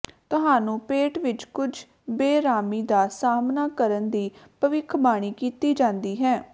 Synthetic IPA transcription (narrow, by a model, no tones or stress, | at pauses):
t̪ʊɦaːnũːpeːʈʋɪt͡ʃkʊd͡ʒ | beːɾaːmiːd̪aːsaːmnaːkəɾənd̪iːpəʋɪkʰbaːɽ̃iːkiːt̪iːd͡ʒãːnd̪iːɦɛː